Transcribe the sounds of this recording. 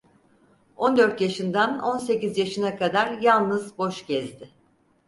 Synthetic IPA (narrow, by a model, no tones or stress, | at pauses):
o̞nd̪ø̞ɾt̪jaʃɯnd̪ano̞ns̬e̞cizjaʃɯnakʰad̪aɾjalˠnɯzbo̞ʃɟɛzd̪ɪ